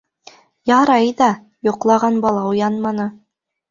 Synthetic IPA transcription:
jɑɾɑjðɑ | jŏqlˠɑʁɑnbɑlˠɑujɑnmɑnɤ

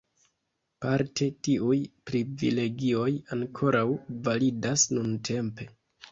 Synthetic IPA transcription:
paɾte̞tiujpɾivḭle̞ɡio̞jaŋkʰo̞ɾʔawvalidasnuntʰe̞mpe̞

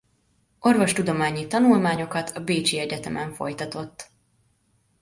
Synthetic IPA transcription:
o̞rvo̞ʃt̪ud̪o̞maːɲit̪ɒnulmaːɲo̞kɒt̪ʰɒbeːt͡ʃiɛɟɛt̪ɛmʔɛɱfo̞̰jt̪ɒt̪o̞t̪ː

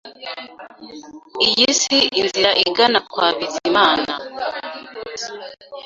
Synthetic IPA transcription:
ijisiinziɾaʔiɡanakwaːβizimaːna̰

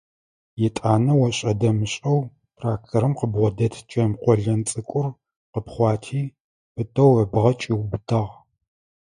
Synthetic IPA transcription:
jɪtʼaːnɐwɐɕʼɐdɐmɨɕʼɐw | tʰʼraːk̚tʰɐɾɨmqəbʁʷɔdɐtʰt͡ʃʼɐmqʷɔɮɐnt͡sʼɨkʷʼʊr | qəpχʷɑːtʰiː | pɨtʰʼɐwɐbʁɐt͡ʃʼiwbɨtʰɐʁ

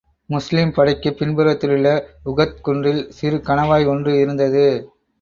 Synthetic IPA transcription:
mʊslimpɐɽɐɪkːɯpːɪnbɯɾɐt̪ːɪlɯɭːɐʊɣɐt̪̚kʊɳrɪlsɪɾɯkɐɳɐʋaːjɔndrɯɪɾɯnd̪ɐðɯ

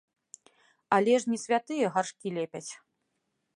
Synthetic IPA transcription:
alʲɛʂnʲisʲvʲat̪ɨjɐɣarʂkʲilʲɛpʲɐt͡sʲ

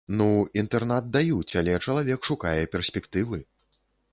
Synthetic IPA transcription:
nuint̪ɛrnad̪̚d̪ajut͡sʲalʲɛt͡ʂɐlˠavʲɛkʂukajɛpʲɛrsʲpʲɛkt̪ɨvɨ

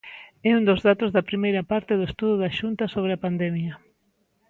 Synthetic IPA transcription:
ɛund̪ozðat̪ozðɐpɾimejɾɐpaɾt̪ɪðoest̪uðʊðɐʃunt̪ɐsoβ̞ɾeapand̪ɛmjɐ

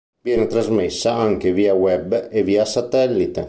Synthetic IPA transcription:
vjɛːnet̪ɾazmesːaaŋk̟eviːawɛbeviːasat̪ɛlːit̪e

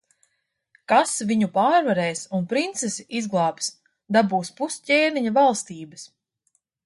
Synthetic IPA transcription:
kasviɲupaːɾvaɾɛːsunpɾint̪sesiʔizɡlˠɑːps | d̪abuːspuscʲeːniɲavalˠst̪iːbɨs

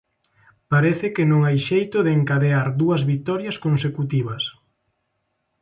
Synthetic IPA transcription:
paɾɛθɪkɪnõŋajʃejt̪ʊðeeŋkaðeaɾðuɐzβik̚t̪ɔɾjɐskonsekut̪iβ̞ɐs

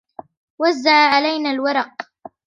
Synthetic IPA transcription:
wazːaʕʕalajnaːlwɑɾˤɑq̚

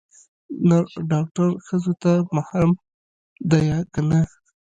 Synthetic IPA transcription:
naɖɑk̚ʈaɾxəzot̪amahɾam | d̪ajɑkana

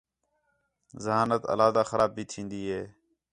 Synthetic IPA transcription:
zəɦaːnət̪ə̰laːd̪aːxəɾaːb̚bʱiːt̪ʰĩːnd̪iːɦeː

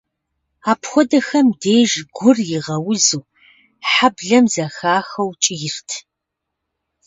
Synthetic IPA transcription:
aːpxʷɔdɐxɐmdeːʒɡʷʊrjɪʁɐwʊzɨw | ħabɮɐmzɐxaːxɐwt͡ʃʼɪjɪrtʰ

